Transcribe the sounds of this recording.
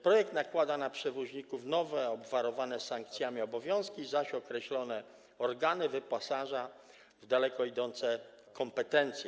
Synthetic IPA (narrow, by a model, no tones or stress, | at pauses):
pɾɔjɛk̚t̪nakwad̪anapʂɛvɔʑɲikufnɔvɛɔbvaɾɔvanɛsaŋkt̪sʲjamʲiɔbɔvʲjɔ̃skʲizaɕɔkɾɛɕlɔnɛ | ɔɾɡanɘvɘpasaʐa | vd̪alɛkɔid̪ɔnt̪sɛ | kʰɔmpɛt̪ɛnt̪sʲjɛ